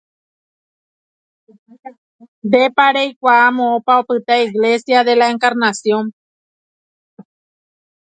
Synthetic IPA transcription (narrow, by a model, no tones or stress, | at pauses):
nd̪epaɾejkʷaamõopaopɨt̪aiɣle̞sjaðe̞laeŋkaɾnasjõ̞n